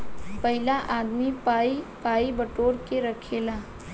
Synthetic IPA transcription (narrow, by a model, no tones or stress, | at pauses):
pɐɦɪlaʔaːd̪mipaːipaːibɐʈoːɾkeɾɐkʰeːlaː